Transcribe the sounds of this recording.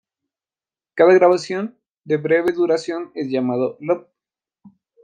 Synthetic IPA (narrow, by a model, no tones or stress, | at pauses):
kaðaɣɾaβasjon | d̪eβɾeβeðuɾasjo̞nezʝamaðolop̚